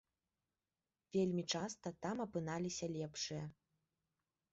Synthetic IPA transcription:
vʲelʲmʲit͡ʂast̪ɐt̪amɐpɨn̪alʲisʲɐlʲɛpʂɨjɐ

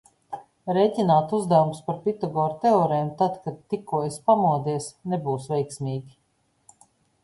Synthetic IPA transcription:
ɾɛjcʲinaːt̪uzd̪awumspaɾpʲit̪aɡɔːɾt̪eɔɾɛːmt̪ad̪kad̪̚t̪ːikuɔjspamuɔd̪iɛsnebuːsvɛjksmʲiːɡʲi

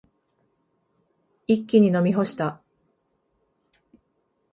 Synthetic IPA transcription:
ikʲːiɲ̟ino̞mʲiɦo̞ɕi̥t̪a

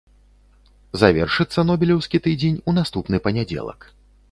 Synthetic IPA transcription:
zavʲɛrʂɨt̪sːɐnɔbʲilʲɛwskʲit̪ɨd͡zʲenʲunast̪upn̪ɨpɐnʲad͡zʲɛ̰lˠɐ̰k

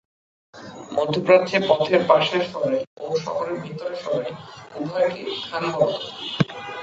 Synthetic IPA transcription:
mod̪ʱːopɾad̪t͡ɕʰepɔt̪ʰeɾpaʃeɾfɔɾeoʃɔ̰foɾeɾbʱit̪oɾeɾʃɔɾeubʱɔekḭk̪ʰanaɦɔɾt̪o

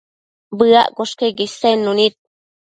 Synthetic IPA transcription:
bɨa̰ʔkoʂkeɡisenːunit̪̚

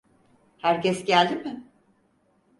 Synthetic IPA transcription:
hæɾcɛsɟælʲd̪imɪ

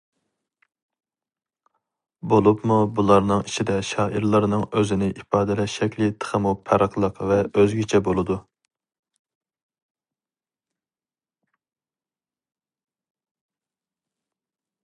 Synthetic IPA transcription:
bolˠupmubulˠɑɾnɨŋit͡ʃʰid̪ɛʃɑːʔiɾlˠɨɾnɨŋøzɪnɪʔipɑːd̪ɛlɛʃɛkʲlɪt̪ʰə̥χəmupʰæɾəqlˠəqvɛøzɡʲit͡ʃʰɛbolˠɨd̪u

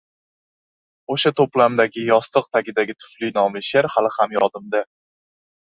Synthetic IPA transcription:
oʃat̪ʰoplamd̪aɡʲɪjɒst̪ɨq̚t̪ʰakʲɪd̪aɡʲɪt̪ʰʊ̥flinɒmlɪʃaɾhalɪhamjɒd̪ɪmd̪a

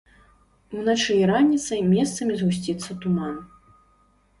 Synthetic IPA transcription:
unat͡ʂɨjɐɾanʲːit̪sɐjmʲɛst̪sɐmʲizɣusʲt͡sʲit̪sːɐt̪uman

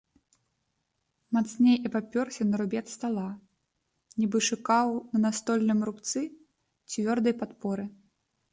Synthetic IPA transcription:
mat̪snʲejʔipapʲɔrsʲɐnɐɾubʲɛt̪st̪alˠa | nʲibɨʂɨkawnɐnast̪ɔlʲnɨmrupt̪sɨ | t͡sʲvʲɔrd̪ɐjpat̪pɔɾɨ

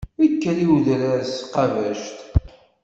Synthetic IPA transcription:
ikːæliwðɾæɾsqɑvæʃt̪

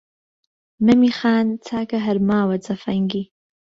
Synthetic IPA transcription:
nɐmixaːnt͡sʰaːkɐɦɐɾmaːwɐt͡sɐfɐŋɡi

